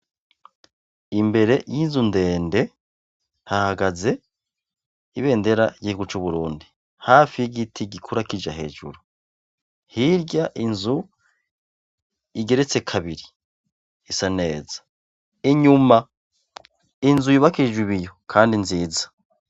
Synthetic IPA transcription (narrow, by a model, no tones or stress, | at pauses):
imbe̞ɾe̞jiːnzunde̞ːnde̞ | hahaɡaze̞ | iβe̞ːnde̞ɾaiɟihiɡut͡ʃuβuɾuːndi | haːfijiɡitʰiɡikʰuɾakid͡ʒaɦe̞̰ːd͡ʒṵɾu | hiɾɟaʔinzu | iɡe̞ɾe̞t͡se̞kʰaβiɾi | isane̞ːzḁ | iɲuma | inzuiβakiʒwiβijo̞kʰaːndinziːzḁ